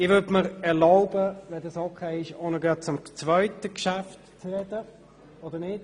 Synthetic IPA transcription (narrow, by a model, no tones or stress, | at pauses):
ɪʋʏdməɾɛʁlaʊbəʋɛnd̪ɑsokʰeɪɪʃonəɡɑːt͡sʊmt͡sʋœʏtəkʃæft | t͡srɛd̪ə | ɔd̪ənɪd̥